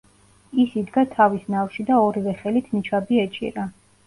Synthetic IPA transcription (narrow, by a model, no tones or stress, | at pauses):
isid̪ɡat̪ʰavisnafʃid̪aɔɾivɛχɛlit̪ʰnit͡ʃʰabiɛt͡ʃʼḭɾa